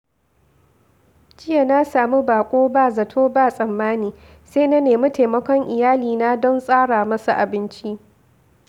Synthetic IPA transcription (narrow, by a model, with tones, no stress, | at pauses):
d͡ʒɪ˦ja˨na˦saː˨mu˦baː˨kʷʼoː˦baː˦˨zɐ˨tʰoː˦baː˦˨sʼɐ˨mːaː˦niː˨ | seː˦na˦neː˨mu˦ta˨mɐ˦kʷɔ˦ŋʔɪ˨jaː˦liː˨na˦dɔ˦nsʼaː˦ɽaː˨mɐ˦sa˨ʔa˨bɪ˦nt͡ʃi˦ʔ